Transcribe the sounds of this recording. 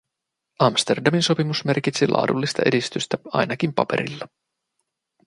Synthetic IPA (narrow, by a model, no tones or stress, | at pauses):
ʔɑmst̪e̞rdɑminso̞pimusme̞rkit̪silʔɑ̰ːdulːist̪ɑ̰ʔe̞dist̪yst̪æɑ̰jnɑkimpɑpe̞̰ɾḭlːɑ